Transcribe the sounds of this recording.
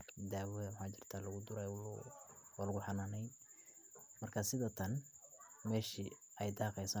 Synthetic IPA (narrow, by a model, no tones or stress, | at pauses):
d̪aːwɛðmħaːt͡ʃɪr̥t̪ʰaːlɐɣʊd̪ʊɾɛw | waːlɐɣʊħɑnaːnɛjd̪ | mɐrkʰasɪðɔːt̪ʰɐn | mɛːʃiɛjd̪ɑːqɛjsɐ